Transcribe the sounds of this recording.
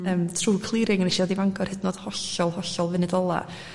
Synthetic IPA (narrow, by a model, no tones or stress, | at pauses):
əːmtʰruːkʰlˠiɾɪŋniʃiwɛdivaŋɡʰɔr̥hɪdnoːd̥hɔɬɔlˠhɔɬɔlˠvɪnɪdɔlˠa̰